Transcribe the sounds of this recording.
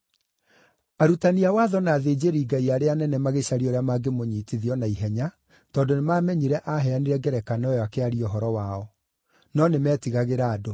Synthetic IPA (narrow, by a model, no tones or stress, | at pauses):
aɾutaniawaːðɔnaːðeːd͡ʑeɾiːɡaiaɾeanɛnɛmaɣeɕaɾiɔɾeamaɡemoɲiːtiðiɔnaiɦɛɲa | tɔːndonemamɛɲiɾɛʔaɦɛaniɾɛɡɛɾɛkanaɛakeaɾiɔɦɔɾɔwaɔ | nɔnemɛːtiɣaɣeɾaːdo